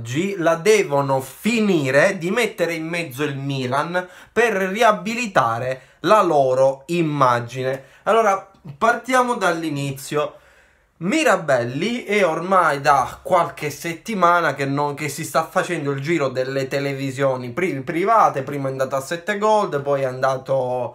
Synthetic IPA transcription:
d͡ʒːilad̪ɛːvonofiniːɾed̪imɛt̪ːeɾeimːɛd̪zːoilmiːlanperriabilit̪aːɾe | lalɔːɾoimːad͡ʒine | alːɔːɾa | part̪jaːmod̪alːinit̪sːjo | miɾabɛlːiɛormajd̪akːwalk̟eset̪ːimaːnakenːok̟esːist̪afːat͡ʃɛnd̪oild͡ʒiːɾod̪elːet̪elevizjɔːnipɾipɾivaːt̪epɾiːmaɛand̪aːt̪asːɛt̪ːeɡɔld̪epɔjɛand̪aːt̪o

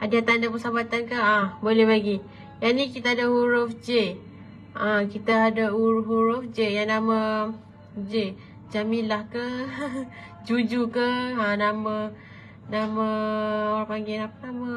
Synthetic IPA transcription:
ʔadiat̪andap̬əsabat̪ankəabolehlaɡi | janikit̪aːdaɦuɾʊfd͡ʒe | ʔakit̪aːdauɾuɦuɾʊfd͡ʒejanama | d͡ʒe | d͡ʒamilahkə | d͡ʒud͡ʒukəanama | namaoɾapaŋɡinapanama

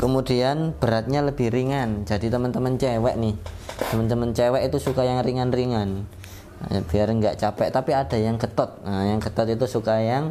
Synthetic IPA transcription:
kəmudianb̥əɾat̪̚ɲaləb̥ɪhriŋand͡ʒadit̪əmənt̪əmənt͡ʃewɛʔnɪht̪əmənt̪əmənt͡ʃɛwɛʔit̪usukajaŋriŋanriŋan | b̥iarŋɡaʔt͡ʃapɛʔt̪apiad̥a̤jaŋkət̪ɔt̪̚jaŋkət̪ɔt̪it̪usukajaŋ

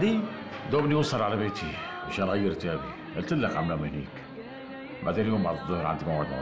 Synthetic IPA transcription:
d̪i | d̪oːbniwʊsˤɑlʕalabeːt̪ʰimaʃaːnɣajːɪɾt̪aːbi | ʔɪlt̪ɪlːakʕamnamɪhnḭːk | ba̰ʕd̪eːljoːmbaʕd̪ɨðˤːʊhɾʕa̰nd̪imawʕɪd̪ma̰

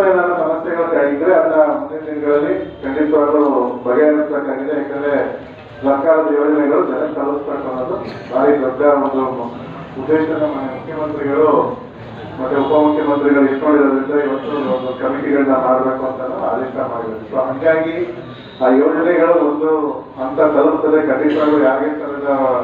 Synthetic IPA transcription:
ɐenaːnɐsɐmɐsjɛɡɐɭɐaːɡid̪ːɐɾeɐd̪ɐnːɐmund̪ed̪inɐɡɐɭɐlːikɐɳɖit̪ʋaːd̪ubɐɡeɐnɐsbekaːɡid̪eɦakɐlːe | sɐɾkaːɾɐd̪ɐjoːd͡ʒɐnɛɡɐɭud͡ʒɐnɐsɐɾɐsbekɐnɐd̪ubaːɾid̪ɐd̪ɐond̪u | ud̪ːeːʃɐnɐmɐnemukʰjɐmɐnt̪ɾiɡɐɭu | mɐt̪ːuupɐmukʰjɐmɐnt̪ɾiɡɐɭuiʈːnaːɽiɾod̪ɾind̪ɐiʋɐt̪ːuond̪ukɐmiʈiɡɐɭunɐmaːɽbe̞ːkuɐnt̪ɐnːɐ̰na̰ːd̪ɐt̪ɐmaːɽid̪ɐɾusoːɦɐŋɡaːɡi | aːjo̞ːd͡ʒɐnɛɡɐɭuond̪u | ɐnt̪ɐkɐlɐnt̪ɐlːekɐɳɖiʈ̪ʋaːɡjaːɡeːnt̪ɐlɛd̪ɐ

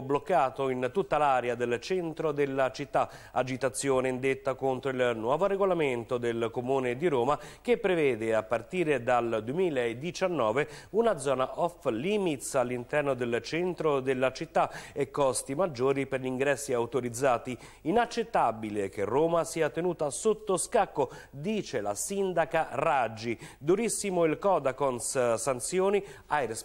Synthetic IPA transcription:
blokːaːt̪oint̪ut̪ːalaɾead̪elt͡ʃɛnt̪ɾod̪elːat͡ʃit̪ːa | ad͡ʒit̪at̪sːjoːnend̪et̪ːakont̪ɾoilnwɔːvoɾeɡolament̪od̪elkomuːned̪iɾoːmak̟epːɾevɛːd̪eapːart̪iːɾed̪ald̪uemiːlaed̪ːit͡ʃanːɔːveunad̪zɔːnaʔɔfliːmit̪salːint̪ɛrnod̪elt͡ʃɛnt̪ɾod̪elːat͡ʃit̪ːaekːɔst̪imad͡ʒːoːɾiperʎiŋɡɾɛsːiawt̪oɾid̪zːaːt̪i | inat͡ʃːet̪ːabilek̟erːoːmasiːat̪enuːt̪asot̪ːoskakːo | d̪iːt͡ʃela̰sind̪akarad͡ʒːid̪uɾisːimoilkɔːd̪akonssant̪sjoːniajɾs

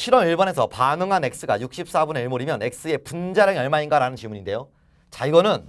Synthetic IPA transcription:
ɕʰiɾʌmiɭbʌne̞sʰʌpanɯŋɦane̞k̚s͈ɯɡa̰juk̚ɕ͈ip̚s͈abuneiɭmoɾimjʌne̞k̚s͈ɯe̞pund͡ʑaɾjaŋjʌɭmainɡaɾanɯnt͡ɕimuɲinde̞jo | t͡ɕaiɡʌnɯn

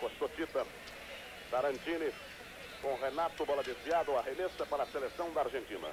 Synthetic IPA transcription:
kost̪osit̪ɐ | t̪aɾɐ̃nt͡ʃinɪs | kõɦenat̪ʊbɔlɐd̪isiad̪ʊɐɦenesɐpaɾɐselesɐ̃w̃d̪ɐaɾʒẽnt͡ʃḭ̃nɐ̰

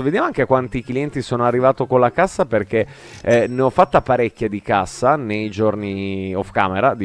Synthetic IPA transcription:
ved̪jamoaŋkekwant̪ikliɛnt̪isoːnoarːivaːt̪okolːakasːaperke | neɔfːat̪ːapaɾekʲːjad̪ikasːanejd͡ʒorniɔfkaːmeɾad̪i

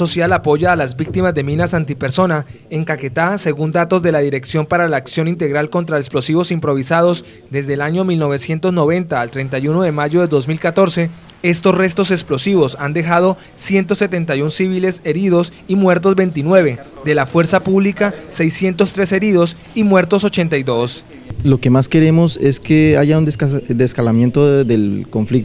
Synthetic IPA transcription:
osjalapo̞ʝaːlazbik̚t̪imazd̪e̞mĩnasant̪ipe̞ɾso̞na | eŋkaket̪ase̞ɣund̪at̪o̞zd̪e̞laðiɾe̞ksjo̞mpaɾalaːksjo̞nint̪e̞ɣɾalko̞nt̪ɾaeksplo̞siβo̞simpɾo̞βisað̞o̞s | d̪e̞zd̪eːlaɲo̞milno̞βe̞sje̞nt̪o̞znoβẽ̞nt̪aːlt̪ɾe̞nt̪ajuno̞ðe̞maʝo̞ðe̞ðo̞zmilkat̪o̞ɾse̞ | e̞st̪o̞sre̞st̪o̞seksplo̞siβo̞sand̪e̞xað̞o̞ | sje̞nt̪o̞se̞t̪e̞nt̪ajunsiβile̞se̞ɾiðo̞simwe̞ɾt̪̬o̞zbe̞jnt̪̬inwe̞βe̞d̪e̞lafwe̞ɾsapuβlikase̞jsje̞nt̪o̞st̪ɾe̞se̞ɾiðo̞s | imwe̞ɾt̪o̞so̞t͡ʃe̞nt̪ajd̪o̞s | lo̞ke̞maske̞ɾe̞mo̞seskeaʝaund̪ed̪eskalamje̞nt̪oðelkoɱflik̚t̪

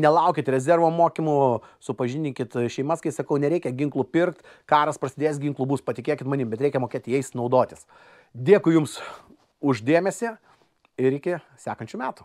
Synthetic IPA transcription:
nʲɛlˠɐˑʊkʲɪt̪ɾʲɛzʲɛrʋoːmoːkʲɪmʊsʊpɐʒʲɪnʲɪŋkʲɪt̪ʃʲɛɪmɐskɐɪsɐkɐʊnʲɛɾʲɛɪkʲɛɡʲɪŋklˠʊpʲɪrkt̪ | kɑːɾɐspɾɐsʲɪd̪ʲeːsɡʲɪŋklˠʊbuːspɐt̪ʲɪkʲeːkʲɪt̪mɐnʲɪmbʲɛt̪ɾʲɛɪkʲɛmoːkʲeːt̪ʲɪjɛɪsnɐʊd̪oːt̪ʲɪs | d̪ʲeːkʊjʊms | ʊʒd̪ʲeːmʲɛsʲɪ | ɪɾɪkʲɪ | sʲæːkɐnʲt͡ʃʲʊmʲæːt̪ʊ̥

